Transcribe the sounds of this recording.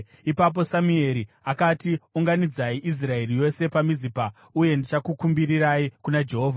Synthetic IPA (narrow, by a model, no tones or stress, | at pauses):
ipap̬o̞samue̞ɾi | akatiuŋɡanid͡zaiʔis̬rae̞rijo̞se̞pamizipa | uje̞ndit͡ʃakukumbiriraikunad͡ʒe̞ɦo̞ːvʱa